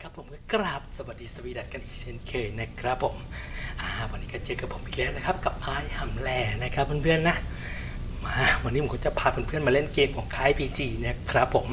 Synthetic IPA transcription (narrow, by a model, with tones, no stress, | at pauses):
kʰa˦˥pʰːo˨˩˦mkɔː˥˩kɾaː˨˩p̚sa˧ba˨˩t̚diː˧sa˧wiː˧da˨˩t̪̚ka˧nʔiː˨˩k̚t͡ɕʰe˦˥˨nkʰɤː˧jna˦˥kʰɾa˦˥pʰːo˨˩˦mʔaː˧˩waː˧nːiː˦˥kɔ˧˩t͡ɕɤː˧ka˨˩pʰo˨˩˦mʔiː˨˩k̚lɛː˦˥wna˦˥kʰa˦˥p̚ka˨˩p̚ʔaː˧˩jha˨˩mlɛː˧˩na˦˥˩kʰɾa˦pʰːɯː˧˥˨npʰɯ˥˩ənːa˦˥ʔ | maː˧˩wa˧nːi˦˥m˩˦kʰːt͡ɕa˨˩pʰaː˧pʰa˧npʰɯ˥˩ənmaː˧le˥˩nkeː˧mkʰɔː˩˦ŋkʰaː˦˥˩jpʰiː˧t͡ɕiː˧na˦˥kʰɾa˦˥pʰːo˨˩˦m